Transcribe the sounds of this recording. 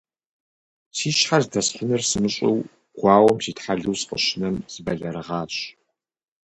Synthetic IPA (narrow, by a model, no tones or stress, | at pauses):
siːʃħarzdɐsħʷʊnɨrsɨmɨɕʼɪ̰w | ɡ̥ʷɑːwɔmsiːtħaɮɨwsqʼə̰ɕɪnɐmz̥ɨbɐɮɐɾɨʁɑːɕ